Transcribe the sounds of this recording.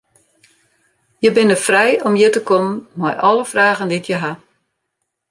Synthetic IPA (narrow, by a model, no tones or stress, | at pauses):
jəbɪnəfrɛjɔmjətəkʰomənmɔjʔɔlˠəfraːɣənditʰjəɦa